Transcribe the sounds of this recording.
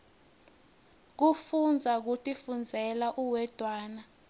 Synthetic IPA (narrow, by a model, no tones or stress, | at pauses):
k̬ufund͡zʱak̬utʰʼifund͡zʱɛlaʔuwɛd̥ʱwaːna